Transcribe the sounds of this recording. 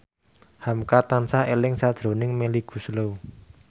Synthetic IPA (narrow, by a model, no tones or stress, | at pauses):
hamkat̪ansaelɪŋsad̥ʒ̥ɾo̤nɪŋmeliɡ̥ṳslo